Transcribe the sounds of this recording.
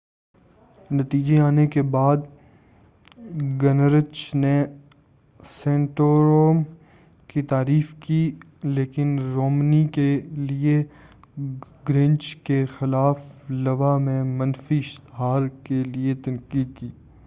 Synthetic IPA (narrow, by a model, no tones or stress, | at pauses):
nɐt̪iːd͡ʒeaːnekebaːd̪ | ɡɐnɾət͡ʃne | sẽːɳʈoːɾoːm | kit̪aːɾiːfki | leːkɪnɾoːmnikelie | ɡɾɪ̃nt͡ʃkexɪlaːflɐʋamẽmɐ̃nfiɪʃt̪ɦaːɾkeliet̪ɐnkiːd̪̚kiː